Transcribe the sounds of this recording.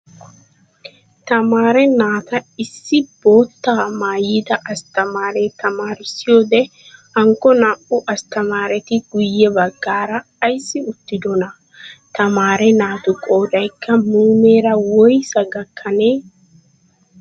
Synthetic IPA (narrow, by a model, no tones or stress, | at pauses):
t̪ɐmaːɾɛnaːt̪ɐɪsːɪbo̞ːt̪ːaːmaːjiːd̪ɐʔɐst̪ɐmaːɾe̞ːt̪ɐmaːɾɪsɪjo̞ːd̪ɛ | hɐŋkːɔnaʔʊʔɐst̪ɐmaːɾɛt̪ɪɡʊjːɛbɐɡːaːɾɐːjsːɪʊt̪ːɪd̪ɔnɐ | t̪ɐmaːɾɛnaːt̪ʊkʼo̞ːd̪ɐjkʰːɐmuːme̞ːɾɐwɔjsɐɡɐkʰːɐne̞ː